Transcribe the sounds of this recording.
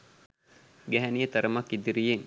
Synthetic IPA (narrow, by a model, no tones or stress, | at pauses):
ɡæɦænijət̪ɐɾəmɐkːid̪iɾijeŋ